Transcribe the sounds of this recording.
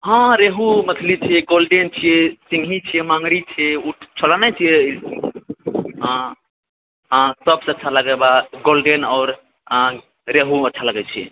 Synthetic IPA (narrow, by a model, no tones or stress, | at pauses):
ɦãɾeɦumət̪ʰlit͡ʃʰieɡolɖent͡ʃʰijesĩŋɡʱit͡ʃʰijemãŋɾit͡ʃʰeuʈʰt͡ʃʰəɽanat͡ʃʰije | ɦ | ɦsəbseətːt͡ʃʰaləɡɛbaɡolɖenaɔʊɾ̃ | ɾeɦuətːt͡ʃʰaləɡɛt͡ʃʰie